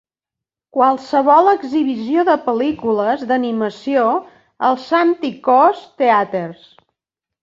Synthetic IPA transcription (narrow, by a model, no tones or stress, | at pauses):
kwalˠsəβɔlˠəɡziβ̞isioðəpəlikuləzd̪əniməsio | əlˠsant̪ikɔst̪eat̪ers